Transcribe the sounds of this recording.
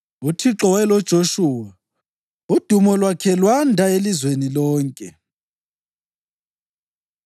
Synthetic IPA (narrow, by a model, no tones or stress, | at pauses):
utʰiǁɔwɛlɔd̥ʒ̥ʱoʃuːwa | ud̥ʱumɔlwakʰɛlwandʱaelizwenilɔːŋkʼɛ